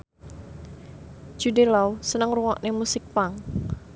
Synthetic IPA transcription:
d͡ʒ̥udelawsənəŋruŋɔʔnemusɪk̚paŋ

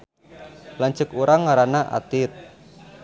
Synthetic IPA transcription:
laɲt͡ʃəkuɾaŋːaɾanaʔa̰t̪ɪt̪̚

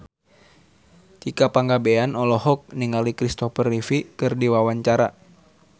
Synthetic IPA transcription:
t͡ʃikapaŋɡabɛanɔlɔhɔk̚niŋalikɾist̪ɔfərifikɨrdiwawaɲt͡ʃaɾa

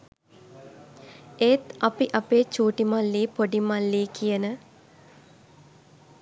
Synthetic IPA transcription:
eːt̪apiʔapeːt͡ʃuːʈimalːiːpoɖimalːiːkijənə

